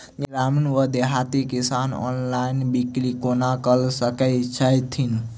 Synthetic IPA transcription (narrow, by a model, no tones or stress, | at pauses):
ɡɾamnwəd̪eɦat̪ikisanɔ̰nlainbikɾikonakəlsəkəɪt͡ʃʰəjt̪ʰin